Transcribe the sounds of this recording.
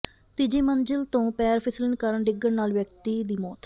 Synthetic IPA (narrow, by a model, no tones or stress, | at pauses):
t̪ɪd͡ʒeːmənd͡ʒəlt̪õːpɛːɾpʰɪslənkəɾəɳɖɪɡːəɳnaːlʋjəkt̪iːd̪iːmɔːt̪